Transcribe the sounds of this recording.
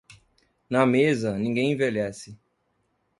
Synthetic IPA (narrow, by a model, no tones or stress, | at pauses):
nɐmezɐnĩŋɡẽj̃ẽvelɛsɪ